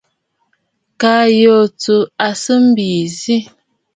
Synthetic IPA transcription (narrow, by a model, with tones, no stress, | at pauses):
ka˨jo˨t͡su˨a˨sə˦m̩˦bi˨zi˦